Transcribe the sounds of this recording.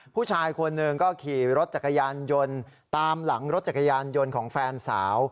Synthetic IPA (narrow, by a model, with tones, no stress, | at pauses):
pʰuː˥˩t͡ɕʰaː˧jkʰo˧nːɯ˧ŋkɔː˥˩kʰiː˨˩ɾo˦˥t̪̚t͡ɕa˨˩kːa˧jaː˧njo˧n | t̪aː˧mla˩˦ŋɾo˦˥t̪̚t͡ɕa˨˩kːa˧jaː˧njo˧nkʰɔː˩˦ŋfɛː˧nsa̰ː˩˦w